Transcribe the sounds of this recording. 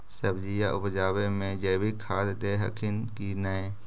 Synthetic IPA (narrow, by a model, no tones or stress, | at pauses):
səbd͡ʒijaʔʊpd͡ʒaːwemẽd͡ʒeːbikʰaːd̪d̪eːɦə̰kʰɪnkinəe